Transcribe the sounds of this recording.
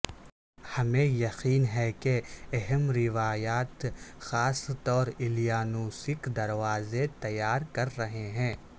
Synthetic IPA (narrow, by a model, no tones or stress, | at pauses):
hɐmẽjɐqiːnɦɛkeɛɦɛmɾɪʋaːjaːt̪xaːst̪ɔːɾɪlijaːnuːsɪkd̪ɐɾʋaːzet̪ɐjːaːɾkɐɾːɐɦeɦɛ̃ː